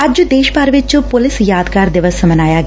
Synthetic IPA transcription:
ɐd͡ʒd̪eːʃbaːɾʋɪt͡ʃpʊlɪsjaːd̪kaːɾd̪ɪʋəsːəmənaːjaːɡ

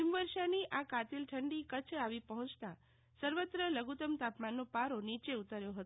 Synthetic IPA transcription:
imʋəɾʃaniʔakat̪ilʈʰəɳɖikət͡ʃʰaʋipəɦɔ̃t͡ʃt̪a | səɾʋət̪ɾələɡut̪əmt̪apmanːopaɾonit͡ʃeut̪aɾjoɦət̪o

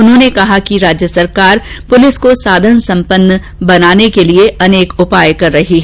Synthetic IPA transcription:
ʊnɦõːnekɐɦakiɾaːd͡ʒjəsɐɾkaːɾ | pʊlɪskosaːd̪ʱənsɐ̃mpənːə | bɐnaːnekelieɐneːkʊpaːjkɐɾːɐɦiɦɛ

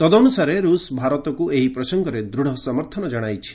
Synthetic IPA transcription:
t̪ɔd̪ɔːnusaɾeɾusbʱaɾɔt̪ɔkueɦipɾɔsɔŋɡɔɾed̪ɾuɽ̤ɔsɔmɔɾt̪ʰɔnɔd͡ʒɔɽ̃ajt͡ʃʰi̥

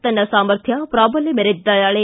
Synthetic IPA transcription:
t̪ɐnːɐsaːməɾt̪ʰjapɾaːbəlemeɾed̪ajaːɭe

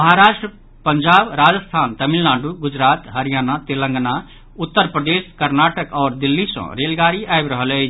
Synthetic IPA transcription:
məɦaɾaːʃʈɾə | pəɲd͡ʒaːbɾaːd͡ʒəst̪ʰaːnt̪əmilnãːɳɖuɡʊd͡ʒɾaːt̪ɦəɾijaːnat̪ɪlə̃ŋɡna | ʊt̪ːəɾpɾəd̪eːskəɾnaːʈəkɔːɾd̪ilːisə̰̃ɾelɡaːɾiʔaebɾəɦəlɛ

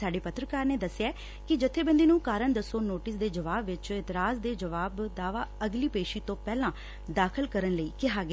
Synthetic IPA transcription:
saːɖeːpət̪ːɾəkaːɾneːd̪əsːɛː | kɪd͡ʒɪt̪ʰːeːbə̃nd̪iːnũːkaːɾəɳd̪əsːoːnoːʈɪsd̪eːd͡ʒəʋaːbʋɪt͡ʃɪt̪ɪɾaːsd̪eːd͡ʒəʋaːbd̪aːʋaːəɡliːpeːʃiːt̪õːpɛːlãː | d̪aːkʰəlkəɾənləiːkɪɦaːɡ

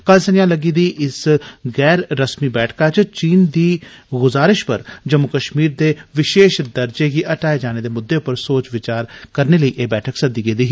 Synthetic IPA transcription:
kəlsənɪjãːləɡiːd̪iːʔɪsɣɛːɾːəsmiːbɛːʈʰkaːt͡ʃt͡ʃiːnd̪iːɡʊzaːɾɪʃpəɾd͡ʒəmːʊkəʃmiːɾd̪eːʋɪʃeːʃd̪əɾd͡ʒeːɡiʔəʈaːeːd͡ʒaːneːd̪eːmʊd̪ːeːʊpəɾsoːt͡ʃʋɪt͡ʃaːɾkəɾneːləiːʔeːbɛːʈʰəksəd̪iːɡeːd̪iːɦi

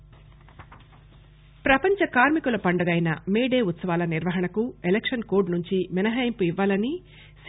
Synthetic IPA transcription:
pɾɐpɐɲt͡ʃɐkaːɾmikulɐpɐɳɖɐɡɐjnɐmeːɖe̞ːut̪sɐʋaːlɐniɾʋɐɦɐɳɐkuelekʂɐnkoːɾɖnuɲt͡ʃiminɐɦɐːjɐmpuiʋːaːlɐni | s

